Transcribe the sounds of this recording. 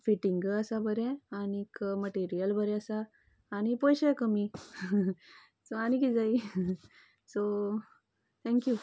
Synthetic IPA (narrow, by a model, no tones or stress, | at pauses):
fiʈiŋɡəsabʱəɾɛ̃añikməʈiɾijəlbʱəɾɛ̃əsaː | ɽ̃ipɔjɕekəmi | soaɽ̃ikiːd͡zai | so | t̪ʰɛ̃ŋkju